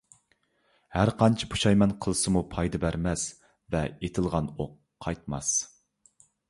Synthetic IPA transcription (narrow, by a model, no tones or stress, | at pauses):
hæɾqʰɑnt͡ʃʰipʰu̥ʃɑjmɛnqʰəlˠɨsɨmupʰɑjd̪ɨbæɾmɛs | vɛet̪ʰɪlˠʁɑnoqːʰɑjt̪̚mɑs